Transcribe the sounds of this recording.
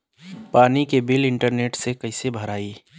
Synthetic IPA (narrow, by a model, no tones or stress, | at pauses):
paːnikebɪlɪ̃ɳʈəɾneːʈsekɐɪsebʱəɾaːiː